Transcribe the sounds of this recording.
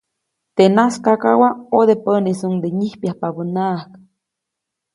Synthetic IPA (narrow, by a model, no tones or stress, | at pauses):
t̪enaskakawaod̪epənisuŋd̪eɲihpjahpabənahk